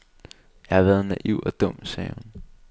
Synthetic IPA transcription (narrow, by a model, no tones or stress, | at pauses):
jɑ̈hɑ̈ʋæːð̞̩ˠnæʔiʊ̰ɒ̽d̥ɔ̽m̰sɛːhun